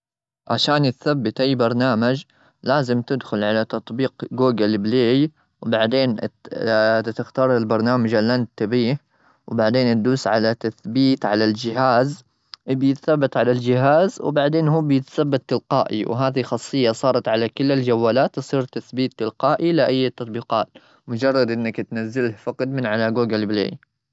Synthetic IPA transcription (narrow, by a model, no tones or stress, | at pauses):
ʕa̰ʃaːnɪt̪θabːɪt̪ʔajːbɑɾˤnaːmad͡ʒ | laːzɪmt̪ɪd̪xʊlʕalat̪ɑt̪ˤbiːqɡuːɡalbleːj | wbaʕd̪eːn | t̪ɪxt̪ɑːɾˤɪlbɑɾˤnaːmad͡ʒalːant̪ːabiːh | wbaʕd̪eːnat̪̚d̪uːsʕalat̪aθbiːt̪ʕalald͡ʒɪɦaːz | bjɪt̪θabːat̪ʕalald͡ʒɪɦaːzw̰baʕd̪eːnɦuːbjɪt̪θabːat̪ːɪlqɑ̰ːʔḭwɦaːðixɑsˤːɨjːɑsˤɑːɾˤɑt̪ʕalakɪlːald͡ʒawːaːlaːt̪sˤiːɾt̪aθbiːt̪ːɪlqɑːʔilɪʔajːat̪ːɑt̪ˤbiːqɑːt̪ | mʊd͡ʒɑrˤːɑd̪ʔɪnːakt̪nazːɪlhfɑqɑd̪mɪnʕalaɡuːɡalblḛːj